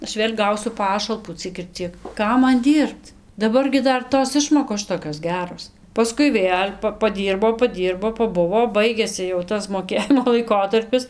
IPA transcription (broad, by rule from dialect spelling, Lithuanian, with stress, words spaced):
ˈɐʃ ˈʋʲeːlʲ ˈɡɐʊsʲʊ ˈpɑːʃɐlˠpuː ˈt͡sʲiɛk ɪr ˈt͡sʲiɛk ˈkɐm ˈmɐn ˈdʲiːrpt dɐˈbɐr ɡʲɪ ˈdɐr ˈtoːs ˈɪʃmoːkoːs ˈʃʲɪtoːkʲoːs ˈɡʲæːroːs pɐˈskʊɪ ˈʋʲeːlʲ pɐ pɐˈdʲiːrboː pɐˈdʲiːrboː pɐˈbʊʋoː ˈbɐɪɡʲeːsʲɪ jɛʊ ˈtɐs moːˈkʲeːjɪmoː lˠɐɪˈkoːtɐrʲpʲɪs